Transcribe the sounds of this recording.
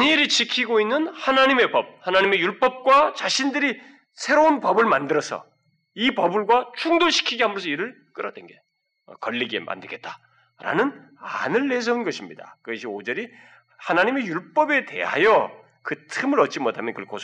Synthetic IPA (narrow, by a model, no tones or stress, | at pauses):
ɲiɾit͡ɕʰikʰiɡoinːɯnhanaɲime̞pʌb̚hanaɲime̞juɭp͈ʌp̚k͈wat͡ɕaɕʰindɯɾi | sʰe̞ɾounpʌbɯɭmandɯɾʌsʰʌ̰ | ipʌbɯɭɡwat͡ɕʰuŋdoɕʰi̥kʰiɡiamɯɾʌsʰʌiɾɯɭ | k͈ɯɾʌd̥wḛnɡe | ʌ̰kʌʎːiɡḛmʔa̰ndɯɭɡet̚t͈ḁ | ɾa̰nɯn | anɯɭːe̞s̬ʰʌɯnɡʌɕʰimɲida̰kɯɡʌɕʰiod͡ʑʌɾi | hanaɲime̞juɭp͈ʌbe̞te̞̰ɦa̰jʌ | kɯtʰɯmɯɾʌt̚t͡ɕ͈imotʰamjʌnkɯɾikʰos